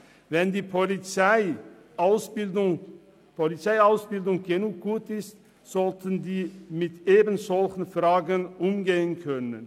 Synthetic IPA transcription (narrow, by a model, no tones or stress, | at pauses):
vɛnd̪iːpʰɔlɪt͡sæɪ | ʊsbɪdʊŋ | pʰɔlɪt͡saɪaʊsbɪld̪ʊŋɡenuːk̚ɡ̥uːt̪ɪst̪ | sɔlt̪ʰənd̪iːmɪt̪ʰeːbən̩sɔlçn̩fɾɑːɡənʊmɡeːənkʰœnə̰n